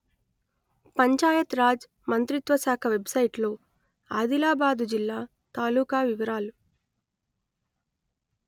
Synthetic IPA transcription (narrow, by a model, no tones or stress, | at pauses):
pɐɲt͡ʃaːjɐt̪ɾaːd͡ʒ | mɐnt̪ɾit̪ʋɐsaːkʰɐʋebsɐjiʈloː | aːd̪ilaːbaːd̪ud͡ʒilːaː | t̪aːluːkaːʋiʋɐɾaːlu